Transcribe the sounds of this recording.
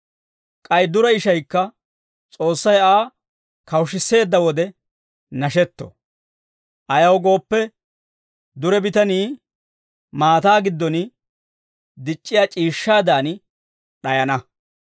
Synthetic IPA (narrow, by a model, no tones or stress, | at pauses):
kʼɐjd̪ʊɾɐɪʃɐjkːɐ | t͡sʼo̞ːsːɐjaː | kɐwʃɪse̞ːd̪ːɐwɔd̪ɛ | nɐʃɛt̪ːɔ̰ | ʔɐjɐwɡo̞ːpːɛ | d̪ʊɾɛbɪt̪ɐniː | maːt̪aːɡɪd̪ːɔnɪ | d̪ɪt͡ʃʼːɪjaːt͡ʃʼiːʃːaːd̪aːn | ɗɐjɐnɐ